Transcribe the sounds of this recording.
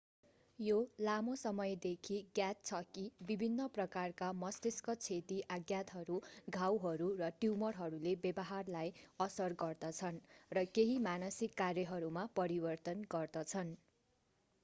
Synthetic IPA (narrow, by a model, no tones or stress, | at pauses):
jolamosʌmʌjd̪ekʰiɡjat͡st͡sʰʌkibibʱinːʌprʌkarkamʌst̪iskʌt͡sʰet̪iʔaɡjat̪ɦʌɾuɡʱawɦʌɾurʌʈimʌrɦʌɾulebjʌbʌɦarlajʌsʌrɡʌrd̪ʌt͡sʰʌnrʌkeɦimanʌsikːarjʌɦʌɾumapʌɾibʌrt̪ʌnɡʌrd̪ʌt͡sʰʌn